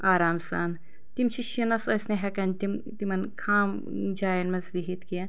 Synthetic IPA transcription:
aːɾaːmsa̰ːn | t̪imt͡ʃʰiʃinɐsɐsneɦɛkɐnt̪imt̪imɐnkʰaːm | d͡ʒaːjɐnmɐzʋiɦit̪kijɐ

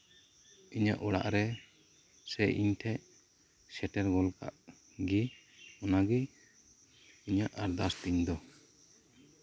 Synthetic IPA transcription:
iɲa̰ʔɔɽa̰ʔɾɛ | sɛʔḭɲtʰɛʔ | sɛʈɛɾɡɔlka̰ʔ | ɡi | ɔnaɡi | iɲaʔaɾd̪ast̪iɲd̪ɔ

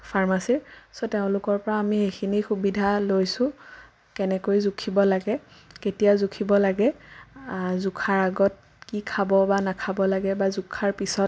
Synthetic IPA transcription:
pʰaɹmasiɹsoteʊ̃lʊkɔɹpɔɹaːmixexʰinixubidʱalojsʊ̃ | kɛnɛkojzukʰibɔlaɡɛketijazukʰibɔlaɡɛ | zukʰaɹaɡɔt̚ | kikʰabɔbanakʰabɔlaɡɛbazukʰaɹpisɔt

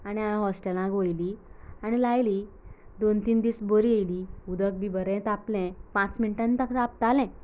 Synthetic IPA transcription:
aɽ̃iajãɦɔsʈelãɡojliaɽ̃ilajliː | d̪ont̪iːnd̪iːsbəɾiejliud̪ək̚bibəɾɛ̃t̪aplɛ̃pãt͡sminiʈãnt̪əkt̪ap̚t̪alɛ̃

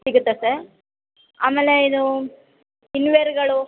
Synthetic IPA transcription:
iɡut̪ːesɐɾ | a̰ːmeːleid̪u | inʋeɾɡɐɭu

